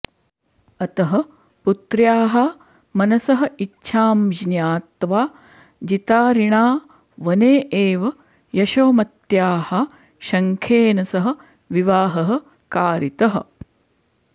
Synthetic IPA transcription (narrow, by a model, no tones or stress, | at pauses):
ɐt̪ɐɦɐ | put̪ɾjaːɦɐ | mɐnɐsɐɦɐ̆itːʃʰaːmd͡ʒnjaːt̪ʋaː | d͡ʒit̪aːɾiɳaː | ʋɐneːʔeːʋɐ | jɐʃoːmɐt̪jaːhɐ | ʃɐŋkʰeːnɐsɐɦɐ̆ | ʋiʋaːɦɐɦɐ̆ | kaːɾit̪ɐɦɐ̰̆